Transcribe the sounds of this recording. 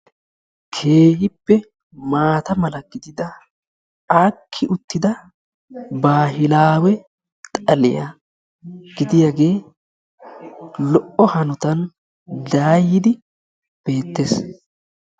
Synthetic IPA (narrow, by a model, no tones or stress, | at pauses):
kʰe̞ːhɪpːɛ | maːt̪ɐmɐlɐɡ̥ɪd̪ɪd̪ɐ | aːkʰːɪʔʊt̪ːɪd̪ɐ | baːɦɪlaːwɛ | tt̪ʼɐlɪ̰jɐ̰ | ɡ̥ɪd̪ɪjaɡe̞ː | lɔʔɔhɐnʊt̪ɐn | d̪aːjːɪd̪ɪ | b̥e̞ːt̪ːeːs